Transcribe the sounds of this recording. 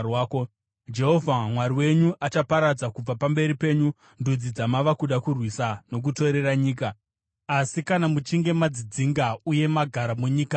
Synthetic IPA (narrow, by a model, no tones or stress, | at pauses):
waːko | d͡ʒe̞ɦo̞vʱamwaɾiwe̞ɲuʔat͡ʃapaɾad͡zakub͡vapambe̞ɾipe̞ːɲu | ndud͡zid͡zamaʋakuɗakurwisano̞k̬uto̞ɾe̞ɾaɲiːk̬a | asikanamut͡ʃiŋɡe̞mad͡zid͡ziŋɡauje̞maɡʱaɾamuɲiːka